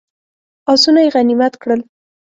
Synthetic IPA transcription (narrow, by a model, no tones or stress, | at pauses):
ɑsunajeɣanimat̪kɽəl